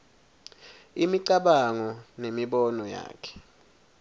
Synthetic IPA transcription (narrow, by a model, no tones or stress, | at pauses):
imiǀaɓaŋɔnemiɓɔnɔja̰ːkʰɛ̥